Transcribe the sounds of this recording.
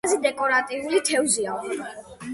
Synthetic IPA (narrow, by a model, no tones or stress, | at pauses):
zid̪ɛkʼɔɾat̪ʼiulit̪ʰɛvzia